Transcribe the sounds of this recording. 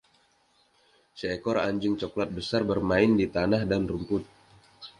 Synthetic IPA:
səekɔɾaɲd͡ʒɪŋt͡ʃoklat̪̚bəsarbərmaɪndit̪anahdanrumpʊt̪̚

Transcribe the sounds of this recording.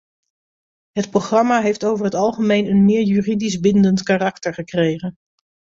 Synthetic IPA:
ɦətproχrɑmaːɦejftowvəɹɦətɑlˠχəmejnənmɪːɹjyːridizbɪndəntkaːrɑktəɹχəkrejχən

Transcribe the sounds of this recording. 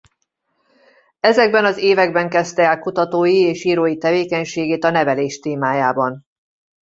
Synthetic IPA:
ɛzɛɡbɛnɒzeːvɛɡbɛŋkɛst̪ɛɛlkut̪ɒt̪oːjieːʃiːɾoːjit̪ɛveːkɛɲʃeːɡeːt̪ɒnɛvɛleːʃt̪eːmaːjaːbɒn

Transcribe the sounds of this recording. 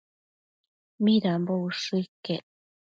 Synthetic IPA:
miɾambouʂuikːe

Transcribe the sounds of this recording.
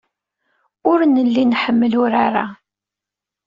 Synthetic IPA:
ʊɾnəlːinħəmːəlʊɾaɾa̰

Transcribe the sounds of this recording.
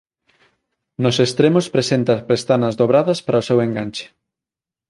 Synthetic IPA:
nosest̪ɾemospɾesent̪ɐpɾest̪anɐzðoβɾaðɐspaɾaoseweŋɡant͡ʃe̥

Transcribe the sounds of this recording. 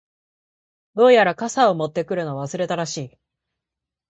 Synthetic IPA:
d̪o̞ːjaɾakasaomo̞t̪ːe̞kɯ̟ɾɯ̟no̞aβasɨɾe̞t̪aɾaɕiː

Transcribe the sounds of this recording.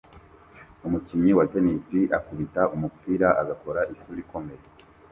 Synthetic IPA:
umucimɲiwatenisiʔakuβitaʔumupiːɾaʔaɡako̞ɾaʔisuɾiko̞me̞ɾe

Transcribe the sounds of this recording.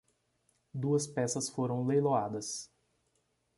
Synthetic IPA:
d̪uɐspɛsɐsfoɾɐ̃w̃lejload̪ɐs

